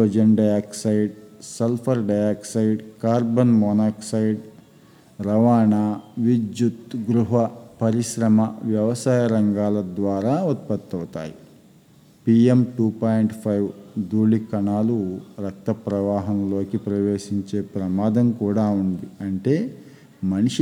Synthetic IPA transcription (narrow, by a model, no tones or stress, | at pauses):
od͡ʒɐɳɖɐjaːksɐjɖselpʰɐɾɖɐjaːksɐjɖkaːɾbɐnmɔːnaːksɐjɖ | ɾɐʋaːɳaːʋid͡ʒjut̪ɡɾuɦɐpɐɾiʃɾɐmɐʋjɐʋɐsaːjɐɾɐŋɡaːlɐd̪ʋaːɾaːut̪̚pɐt̪ːɐwt̪a̰ːjḭ | piemʈuːpaːjɳʈpʰɐjʋd̪uːlikɐɳaːluɾɐk̚t̪ɐpɾɐʋaːɦɐnlo̞ːkipɾɐʋeːʂiɲt͡ʃe̞ːpɾɐmaːd̪ɐmkuːɽaːund̪iɐɳʈe̞ː | mɐniʂi